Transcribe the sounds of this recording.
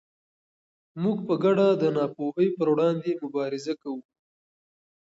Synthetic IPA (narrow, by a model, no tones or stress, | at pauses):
muɡpəɡaɖad̪ənɑpoɦəjpəɾwɽɑnd̪emʊbɑɾɪzakawu